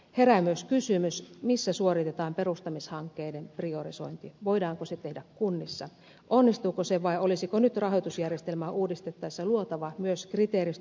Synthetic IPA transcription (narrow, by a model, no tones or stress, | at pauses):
he̞ɾæmyøskysymysmisːæsuoɾit̪et̪ɑːmpe̞rust̪ɑmishɑŋkːeːdemprioriso̞̰int̪iʋoidɑːŋkoset̪e̞hdækkːunːisːɑ̰ | ʔonːist̪uːkoseʋɑiolisikonyt̪rɑɦojt̪usjærjest̪elmæʔuːdist̪et̪ːɑisːɑluot̪ɑʋɑmyøskrit̪eːɾis